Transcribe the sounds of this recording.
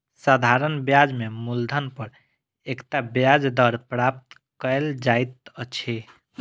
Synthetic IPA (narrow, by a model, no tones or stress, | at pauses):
sad̪ʱaɾənbjad͡ʒmemuld̪ʱənpəɾ | ekt̪abjad͡ʒd̪əɾpɾap̚t̪ | kəeld͡ʒajt̪ət͡ʃʰe